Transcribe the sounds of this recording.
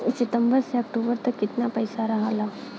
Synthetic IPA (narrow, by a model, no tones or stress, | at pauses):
sɪʈ̪əmbəɾseɐk̚ʈobəɾt̪əkːɪt̪napəjsaɾɐɦala